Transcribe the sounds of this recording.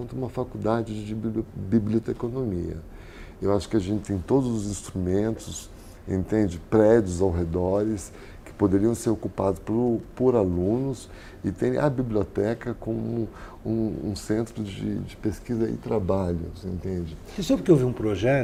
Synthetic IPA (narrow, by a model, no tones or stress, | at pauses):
nt̪ɐũmɐfakud̪ad͡ʒɪd͡ʒɪd͡ʒɪbbibliot̪ekonõmiɐ̰ | ewaʃʊ̥kɪaʒẽnt͡ʃɪt̪ẽj̃t̪od̪ʊzʊzĩst̪ɾumẽnt̪ʊs | ḛ̃nt̪ẽnd͡ʒɪpɾɛd͡ʒʊzawɦed̪ɔɾɪs | kɪ̥pod̪eɾiɐ̃w̃seɾokupad̪ʊspɾʊpoɾalũnʊs | ɪt̪ẽj̃ɐ̰bibliot̪ɛkɐkõmʊ | ũũsẽnt̪ɾʊd͡ʒɪ̰d͡ʒɪpeskizɐɪ̰t̪ɾabaʎʊ̰sḛ̃nt̪ẽnd͡ʒɪ | ɪsopʊɾkeowviũpɾoʒɛ